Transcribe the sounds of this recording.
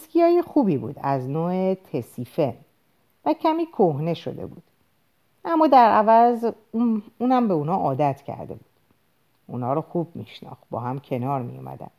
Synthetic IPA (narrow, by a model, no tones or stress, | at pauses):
skijɒːjexuːbibṵːd̪æznoːet̪ʰesiːfe̞n | væcʰæmiːkʰohne̞ʃo̞̰d̪e̞̰bṵːd̪̥ | ʔæmːɒːd̪æɾævæz | uuːnæmbeunɒːʔɒːd̪æt̪ʰcʰæ̰ɾd̪e̞̰bud̪̥ | ʔuːnɒːɾɔxub̚miʃnɒ̰ːxt̪̚bɒ̰ːɦæmcʰe̞nɒːɾmḭjo̰mʔæ̰d̪æ̰m